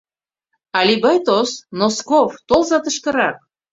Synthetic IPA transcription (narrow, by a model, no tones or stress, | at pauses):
ɑlʲibɑjt̪osnoskoft̪olˠzɑt̪ə̆ʃkə̆ɾɑk̚